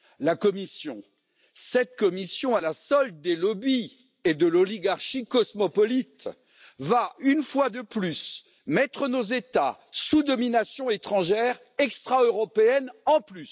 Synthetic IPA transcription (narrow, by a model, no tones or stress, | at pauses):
lakɔmisjɔ̃ | sɛt̪̚kɔmisjɔ̃alasɔl̚d̪elɔbi | ed̪əlɔliɡaʁʃikɔsmɔpɔlit̪ | vaynfwad̪əplys | mɛt̪χənozet̪asud̪ɔminasjɔ̃et̪χɑ̃ʒɛʁ | ɛkst̪χaøʁɔpeɛnɑ̃plys